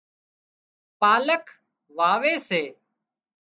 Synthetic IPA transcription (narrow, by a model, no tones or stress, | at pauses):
paːləkʰ | ʋaːʋeːseː